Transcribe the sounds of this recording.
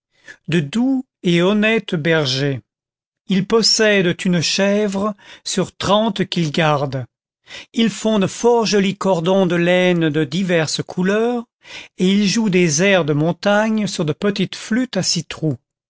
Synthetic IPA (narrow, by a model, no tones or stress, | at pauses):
d̪əd̪u | eɔnɛt̪bɛʁʒe | ilpɔsɛd̪t̪ynʃɛvʁəsyʁt̪χɑ̃t̪kʲilɡaʁd̪ | ilfɔ̃d̪əfɔʁʒɔlikɔʁd̪ɔ̃d̪əlɛnd̪əd̪ivɛʁskʰulœːʁ | eilʒud̪ezɛʁd̪əmɔ̃t̪aɲsyʁd̪əpət̪it̪flyt̪asit̪χu